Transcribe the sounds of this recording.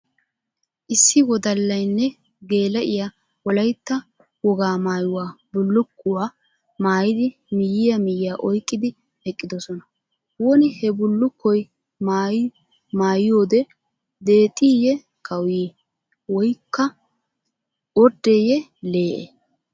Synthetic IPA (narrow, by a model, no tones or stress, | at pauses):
ʔɪsːɪwɔd̪ɐlːɐjnːɛ | ɡe̞ːlɐʔɪja | wɔlɐjt̪ːɐ | wɔɡaːmaːjʊwaːbʊlːʊkːʊwaː | maːjɪd̪ɪ | mɪjːɪjɐmɪjɪjaːʔɔjkʼːɪd̪ɪ | hɛkʼːɪd̪ɔsɔnɐ | wɔnɪhɛbʊlːʊkːɔj | maːj | maːjɪjo̞ːd̪ɛ | d̪e̞ːt̪ʼːiːjɛ | kʰɐwiː | wɔjkːɐ | ɔd̪ːɛjɛle̞ːʔḛ